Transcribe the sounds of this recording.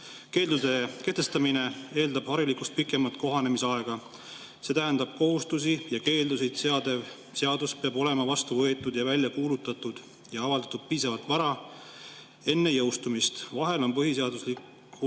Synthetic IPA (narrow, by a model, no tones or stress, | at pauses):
ke̞ːld̪ud̪e̞ke̞ht̪e̞st̪ɑmine̞e̞ːld̪ɑb̥hɑɾilikust̪̚pikːˑe̞mɑt̪ˑko̞ɦɑne̞miseɑe̞ɡ̥ɑ | se̞ːt̪æɦend̪̥ɑb̥ko̞ɦust̪us̬ijɑke̞ːld̪us̬ejt̪seɑd̪̥e̞v | se̞ɑd̪uspeɑbo̞le̞mɑvɑst̪uvɤ̞e̞t̪ːˑud̪̥jɑvælʲjɑkuːlut̪ːˑɑt̪ːˑud̪̥ | jɑɑvɑld̪̥ɑt̪ud̪̥̚piːsɑvɑlt̪ˑvɑɾɑ | e̞nːe̞jɤwst̪umist̪vɑɦe̞lo̞npɤɦiseɑd̪uslikː | u